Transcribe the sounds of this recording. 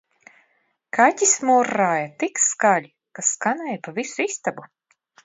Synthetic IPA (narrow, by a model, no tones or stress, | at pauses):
kat̪ʲismuɾːaːjat̪ikskalʲi | kaskanɛːjpavisuist̪abu